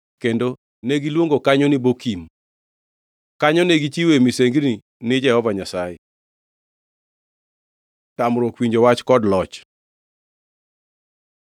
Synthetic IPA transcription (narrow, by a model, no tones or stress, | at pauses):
kendo | neɡilwoŋɡokaɲonɪbokim | kaɲɔneɡit͡ʃiwemiseŋɡni | nɪd͡ʒɛhɔvaɲasajɛ | tamɾokwiɲd͡ʒowat͡ʃkɔdlɔt͡ʃ